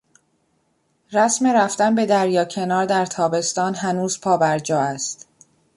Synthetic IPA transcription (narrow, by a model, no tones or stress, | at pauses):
ræsme̞ɾæft̪ænbe̞d̪æɾjɒːcʰe̞nɒːɾd̪æɾt̪ʰɒːbe̞st̪ɒːnɦænuːz̥pʰɒːbæɾd͡ʒɒːæst̪